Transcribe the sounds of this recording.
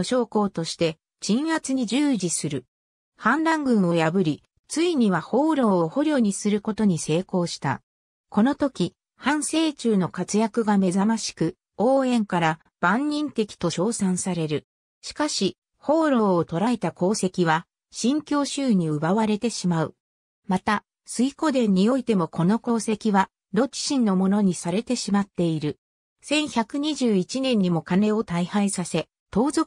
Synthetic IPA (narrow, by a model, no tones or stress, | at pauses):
oɕo̞ːko̞ːt̪o̞ɕi̥t̪e̞ | t͡ɕĩɰhat͡sɨɲ̟id͡ʑɨːd͡ʑisɨɾɯ̟ | hãnd̪ãŋɡɯ̟̃ɰ̃o̞jabɯ̟ɾʲi | t͡sɨiɲ̟iβaho̞ːɾo̞ːoho̞ɾʲjo̞ːɲ̟isɨɾɯ̟ko̞t̪o̞ɲ̟ise̞ːko̞ːɕi̥t̪a̰ | ko̞no̞t̪o̞kʲi | hãɰ̃se̞ːt͡ɕɨːno̞kat͡sɨjakɯ̟ɡame̞zamaɕi̥kɯ̟ | o̞ːẽ̞ŋkaɾa | b̥ãɲːĩnt̪e̞kʲi̥t̪o̞ɕo̞ːsãɰ̃saɾe̞ɾɯ̟ | ɕi̥kaɕi | ho̞ːɾo̞ːt̪o̞ɾae̞t̪ako̞ːse̞kʲiβ̞a | ɕĩŋkʲo̞ːɕɨːɲ̟iɯ̟βaβaɾe̞t̪e̞ɕimaɯ̟ | mat̪a | sɨiko̞d̪ẽ̞ɲ̟ːio̞it̪e̞mo̞kʰo̞no̞ko̞ːse̞kʲiβa | d̪o̞t͡ɕi̥ɕĩnːo̞mo̞no̞ɲ̟isaɾe̞t̪e̞ɕimat̪ːe̞iɾɯ̟ | sẽ̞ɰ̃çakɯ̟ɲ̟iʑɨːit͡ɕinẽ̞ɲ̟ːimo̞kane̞o̞t̪aihaisase̞ | t̪o̞ːzo